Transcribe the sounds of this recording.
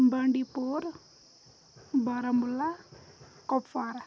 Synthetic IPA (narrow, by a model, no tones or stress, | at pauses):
bəɳɖipoɾ | bʌɾəmbula | kɔpfaɾa